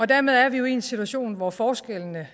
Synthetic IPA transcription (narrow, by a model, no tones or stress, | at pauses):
ɒ̽d̥æɐmeð̞ˠæɐʋijoiensit͡sʰuæɕo̝̰ːnʋɒfɒːsɡ̥elnə